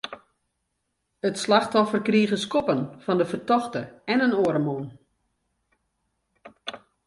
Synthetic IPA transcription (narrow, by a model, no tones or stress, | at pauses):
ətslaxtɔfərkriːɣəskɔpənfɔndəfərtɔxtəɛnənoːɾəmon